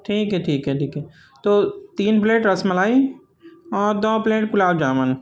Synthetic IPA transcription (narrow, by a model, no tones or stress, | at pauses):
ʈʰiːkɦɛʈʰiːkɦɛʈʰiːkɦɛ | t̪oːt̪iːnpleːʈɾɐsmɐlaːi | ɔːɾd̪ɔːpleːʈkʊlaːbd͡ʒaːmən